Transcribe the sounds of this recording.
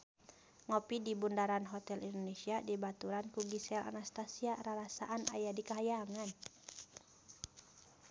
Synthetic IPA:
ŋɔpidibundaɾanɦɔt̪ɛlindonesiadibat̪uɾankuɡisɛlʔa̰nast̪asiaɾaɾasa̰ʔana̰jadikaɦajaŋan

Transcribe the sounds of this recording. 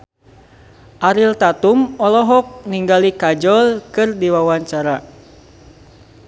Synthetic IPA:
ʔaɾilt̪at̪umɔlɔɦɔk̚niŋɡalikad͡ʒɔlkɨrdiwawaɲt͡ʃaɾa

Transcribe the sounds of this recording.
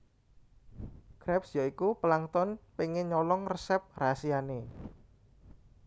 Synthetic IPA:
ɡ̥ɾɛpsjaikupəlaŋt̪ɔnpeŋɪɲɔlɔŋrəsɛp̚rasiane

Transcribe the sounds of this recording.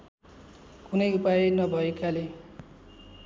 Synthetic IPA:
kunʌjupaenʌbʱʌekale

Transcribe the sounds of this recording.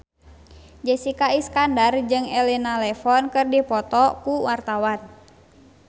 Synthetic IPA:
d͡ʒɛsikaiskandard͡ʒɨŋɛlinalɛfɔnkɨrdipɔt̪ɔkuwart̪awan

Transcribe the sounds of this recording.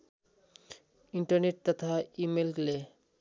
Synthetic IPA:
iɳʈaɾneʈ̚t̪at̪ʰaimelkle

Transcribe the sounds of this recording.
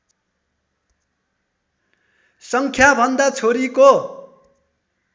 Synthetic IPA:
sʌŋkʰjabʱʌnd̪at͡sʰoɾiko

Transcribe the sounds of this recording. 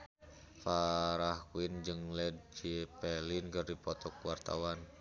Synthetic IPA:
faɾahkuind͡ʒɨŋlɛd̚d͡ʒipɛlinkɨrdipɔt̪ɔkuwart̪a̰wan

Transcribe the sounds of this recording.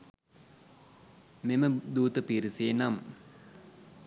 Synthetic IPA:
meməd̪uːt̪əpiɾiseːnam

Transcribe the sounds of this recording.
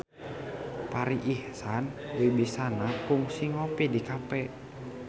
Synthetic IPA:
paɾiʔihsanbebisanapuŋsiŋopidikapɛʔ

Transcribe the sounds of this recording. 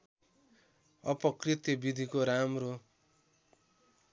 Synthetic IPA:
ʌpʌkrit̪jʌbid̪ʱikoɾamro

